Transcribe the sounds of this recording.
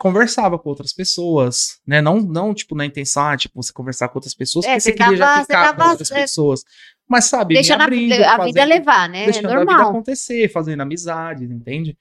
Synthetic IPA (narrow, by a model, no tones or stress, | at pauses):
kõveɾsavɐkõowt̪ɾɐspesoɐsnɛnɐ̃w̃nɐ̃w̃t͡ʃi̥pʊnɐĩt̪ẽsɐ̃w̃at͡ʃi̥pʊvose̥kõveɾsaɾkõowt̪ɾɐspesoɐskkesekɪiɐʒakeaɾakowt̪ɾɐsesoɐs | mɐsːabɪd̪ejʃɐ̃d̪ɐɾĩd̪ɐfazidẽɐlevanɛejʃɐ̃noɾɐmad̪ɐakõnt̪esefazẽnd̪ʊamizad͡ʒɪẽnt̪ẽd͡ʒɪ